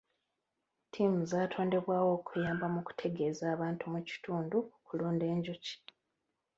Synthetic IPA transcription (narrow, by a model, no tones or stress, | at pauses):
tʰiːmuzaːtʰo̞ːnde̞βwaːwo̞ːkujaːmbamuku̥tʰe̞ɡe̞zaːβaːntumuci̥tʰuːndukuluːnde̞ːɲɟuci̥